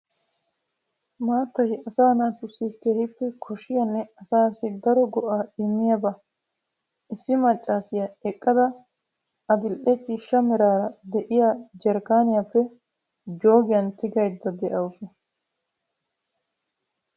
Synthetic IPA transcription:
maːt̪ːɐjɐsaːnaːt̪ʊsːɪkeːhɪpːɛkʰɔʃɪjɐnːɛɐsaːsɪd̪ɐɾɔɡɔʔaːɪmːɪjɐbɐ | ɪsːɪmɐt͡ʃʼːaːsɪjɐɛkʼːɐd̪ɐ | ɐd̪ɪlʔɛt͡ʃʼiːʃːɐmɛɾaːɾɐd̪ɛʔɪjaːd͡ʒɛɾkaːnɪjapːɛ | d͡ʒo̞ːɡɪjɐnt̪ɪɡɐjd̪ːɐd̪ɛʔɐwsɔ

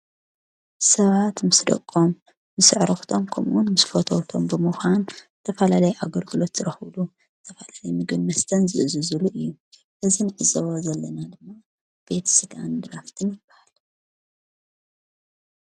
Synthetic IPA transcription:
sɐβat̪mɨsd̪ɐ̰kʼːo̞mː | ɨsɨʕɾɨxt̪ʰo̞mkʰɐmʔunmɨsfot̪ʰowt̪ʰo̞mbɨmɨxanzɨt̪ʰɐfɐlalɐjʔaɡɐlɡɨlo̞t̪z̥ɨɾɐxɨβlu | zɨt̪ʰɐfɐlalɐjmɨɡɨnːɐst̪ʰɐnzɨʔɨzɨzɨluʔɨjːu | ʔɨzinɨʕɨzɐβozɐlːɐnad̪ɨmːa | b̥e̞t̪sɨɡand̪ɨɾaft̪ʰɨnjɪb̥ːahal

